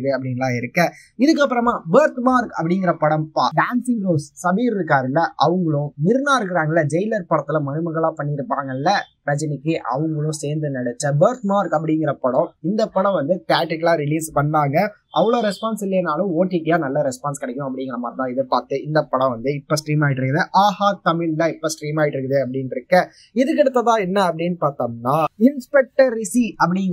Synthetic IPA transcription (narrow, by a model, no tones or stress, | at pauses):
ðeɐpːɐɽɪŋɡɐɭãːɪɾɯkːɐ | ɪðɯk̬ːɐpːɯɾɐmaːbeːɾt̪maːɾkɐpːɐɽɪŋɡɪɾɐpɐɽɐ̃mpaɖaːnsɪŋɡɾoːssɐbiːɾɪɾɯk̬ːaːɾɪlːɐʔɐʋɐŋɡɐɭʊ̃nɪɾnaːɾɯkɪɾaːŋɡɐɪlːɐd͡ʒɛjlɐɾpɐɽɐt̪ːɪlɐmɐnɯmɐɣɐɭãːpɐɳːɪɾɯpːaːŋɡɐɪlːɐpɾɐt͡ʃːɐnɪkːɯʔɐ̰ʋɐŋɡɐɭʊ̃seːɾnd̪ɯnɐɽɐt͡ʃːɐbɐːɾt̪maːɾkɐpːɐɽɪŋɡɪɾɐpɐɽɔ̃ɪnd̪ɐpːɐɽɐ̃ʋɐnd̪ɯt̪aːʈːɪkːɐlaːɾɪliːspɐɳːaːŋɡɐ | ʔɐʋːɐɭoːɾɛspaːnsɪlːeːnaːlʊ̃oːʈːiʈːɪjaːnɐlːɐɾɛspaːnskɪɽɐɛkːʊ̃ɐpːɐɽɪŋɡɐɾɐmaːɾt̪ãːɪðɯpaːɾt̪ːɯɪnd̪ɐpːɐɽɐ̃ʋɐnd̪ɯɪpːosʈɾiːmaːɪʈːɪɾɯkːɐðɯʔaːhaːt̪ɐmɪllːɐɪpːoːsʈɾiːmaːɪʈːɪɾɯkːɐðɯɐpːɐɽɪnɪɾɯkːɐ | ɪðɯkːɛɽɯt̪ːɐt̪ãːɛnːɐɐpːɐɽɪnːɯpaːɾt̪aːnaːɪnspɛk̚ʈɐɾɪsiɐp̬ːɐɽɪŋɡ